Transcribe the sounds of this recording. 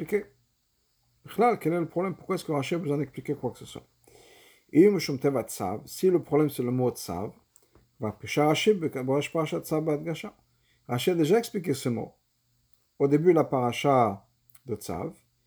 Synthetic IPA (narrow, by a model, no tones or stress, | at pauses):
plike | b̥iχlalkɛlɛləpχɔblɛmpuʁkwaɛskəʁaʃiabəzwɛ̃d̪ɛksplikekwakə̥səswa̰ | ilməʃumt̪ɛvat͡sa̰vsiləpχɔblɛmsɛləmosa̰v | vapeʃaʁaʃibbəʁɛʃpaʁaʃad̪savad̪ɡaʃa | ʁaʃiad̪eʒaɛksplik̬esəmo̰ | od̪ebylapaʁaʃa | d̪ət͡sa̰v